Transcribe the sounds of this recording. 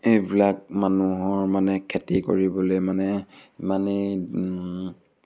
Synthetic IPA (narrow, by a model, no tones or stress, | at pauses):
ejbilak̚manuɦɔɹmanɛkʰetiko̰ɹibɔlojmanɛmani